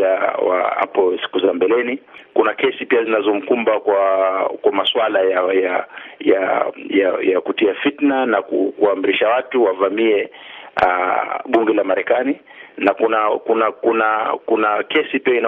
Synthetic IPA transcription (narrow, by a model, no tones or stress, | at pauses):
awa̰a̰pɔsi̥kuzambɛlɛnikunakɛsipiazinazɔm̩kumbakwakwamaswalajajajaja̰jakutiafitnanakukuam̩ɾiʃawatuwavamiɛaɓuŋɡɛlamaɾɛkani | nakunakunakunakunakɛsipiaina